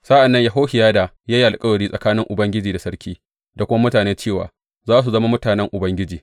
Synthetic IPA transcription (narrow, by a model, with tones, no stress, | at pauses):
sa˦ʔa˨nːɐ˦ɲja˨ɦoː˦hɪ˨jaː˦da˨ | jaː˦ji˦ʔa˨lkʼɐ˦wo˨ɽiː˦sʼɐ˨kaː˦nɪ˦ŋʔʊ˨bɐ˦ŋɡʲɪ˦d͡ʒiː˨da˨sɐ˦ɾkʲiː˦ | da˨kʷʊ˦ma˦mʊ˦taː˨neː˦t͡ʃeː˦˨wa̰ː˨ | zaː˦s̬u˨zɐ˦ma˦mʊ˦taː˨nɛ˦ŋʔʊ˨bɐ˦ŋɡʲɪ˦d͡ʒiː˨